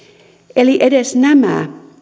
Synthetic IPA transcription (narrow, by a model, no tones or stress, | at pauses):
eliʔedesnæmæ̰